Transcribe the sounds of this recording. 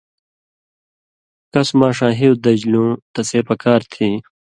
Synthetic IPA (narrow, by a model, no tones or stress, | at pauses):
kɐsmãːʂãːɦiwd̪ɐd͡ʑlũːt̪ɐseːpɐkaːɾt̪ʰiː